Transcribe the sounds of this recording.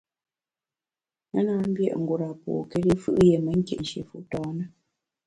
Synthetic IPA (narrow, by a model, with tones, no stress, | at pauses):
ŋə˦na˦m̩˦bjɛ̰˦ʔŋ̩˨ɡo˨ɾa˨pɔ̰ː˨kɛ˦li˦fɯ̰˦ʔje˨mə˦ŋ̩˦kjḛ˨ʔn̩˨ʃjḛ˨fu˨ʔtɔː˦nə˦